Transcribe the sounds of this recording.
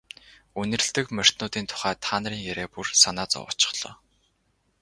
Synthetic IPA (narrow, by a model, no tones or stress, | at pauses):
ɵnɘ̆r̆ɮt̪ɘ̆kmœr̥ʲt̪nʊːt̪iːnt̪ʰʊ̥χæːt̪ʰaːnriːŋjæɾeːpursanaːt͡sɔ̰wʊ̰̆t͡ɕɪ̥̆χɮ̥ɔ̰ː